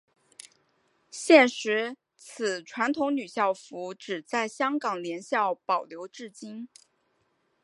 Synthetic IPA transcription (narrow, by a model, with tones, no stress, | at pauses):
ɕjɛ˥˩nʂɻ̩˧˥ | t͡s̩ʰ˨˩ʈ͡ʂʰwa˧˥nt̪ʰʊ˧˥ŋny˨˩ɕjɑ˥˩ʊfu˧˥ʈ͡ʂɻ̩˨˩t͡sa˥˩ɪɕjɑ˥ŋkɑ˨˩ŋljɛ˧˥nɕjɑ˥˩ʊpɑ˨˩ʊljo˧˥ʊʈ͡ʂɻ̩˥˩t͡ɕi˥n